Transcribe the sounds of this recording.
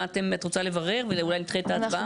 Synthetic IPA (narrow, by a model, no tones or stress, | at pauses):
at̪emat̪ʁot͡sale̞vaʁe̞ʁvelulajlit̪χetaːbaa